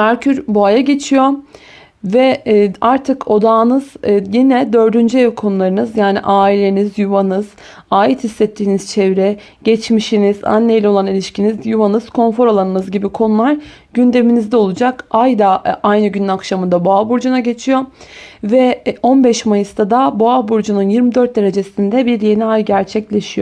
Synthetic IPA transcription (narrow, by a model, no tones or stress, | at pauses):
mæɾcʰyɾbuajaɟe̞t͡ʃʰijo̞ | vɛaɾt̪ʰɯkʰo̞d̪aːnɯz̥jinɛd̪ø̞ɾd̪ynd͡ʒyeɛkʰo̞nulˠaɾɯnɯzjaːnḭʔaːilʲe̞nizjuvanɯz̥ | aːjit̪hisːɛt̪ʰːiːniz̥t͡ʃʰɛvɾɛ | ɟ̥ɛt͡ʃmiʃiniza̰nlːʲejlʲɛo̞lˠanilʲiʃcinizjuvanɯz̥kʰo̞nfo̞ɾolˠanɯnɯzɟibikʰo̞nulˠaɾ | ɟ̥ynd̪e̞minizd̪ɛo̞lˠud͡ʒakajd̪aajnɯɟynynakʃamɯnd̪abuabuɾd͡ʒunaɟe̞t͡ʃʰijo̞vɛo̞nbɛʃmajɯst̪ʰad̪abuabuɾd͡ʒununjiɾmid̪øɾt̪̚d̪e̞ɾe̞d͡ʒe̞sind̪ɛbiɾje̞niajɟæɾt͡ʃʰɛclʲe̞ʃijo